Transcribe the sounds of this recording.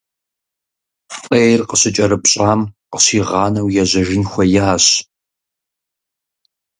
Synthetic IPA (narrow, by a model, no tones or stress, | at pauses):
fʼeːjrqəɕɪt͡ʃʼɐɾɨpɕʼɑːmqə̥ɕiːʁɑːnɐwjɛʑɐʒɪnxʷɐjaːɕ